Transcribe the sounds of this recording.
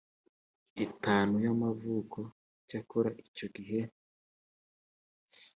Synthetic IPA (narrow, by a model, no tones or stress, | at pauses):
itaːnujamavuːko̞ | cakoɾaʔico̞ɡiɦe̞